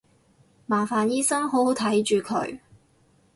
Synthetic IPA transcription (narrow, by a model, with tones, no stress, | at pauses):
maː˨˩faː˨˩njiː˥sɐ˥ŋɦo˨˥who˨˥wt̪ʰɐ˨˥jt͡ʃyː˨kʰɵ̰˨˧˥ɥ